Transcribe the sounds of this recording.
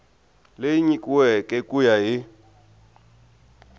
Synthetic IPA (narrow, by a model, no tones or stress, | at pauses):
lejiɲikʼuwɛkʼɛkʼujaɦɪ